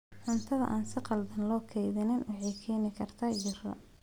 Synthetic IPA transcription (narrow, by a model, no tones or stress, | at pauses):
ħʊnt̪ʰɐðɐ̰ʔaːnsɪqɑld̪ɐnlɔːkʰɛjðɪnɪnʔʊʕijkʰɛːnɪkʰɐrt̪ʰaːjɪrɐ̰